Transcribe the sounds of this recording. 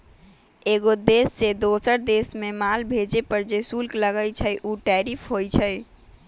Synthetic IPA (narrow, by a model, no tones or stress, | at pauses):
eɡod̪esːed̪osəɾd̪esmemalbʱed͡ʒepəɾd͡ʒesulkləɡəjt͡ʃʰəjʔuʈɛɾipʰɦojt͡ʃʰəj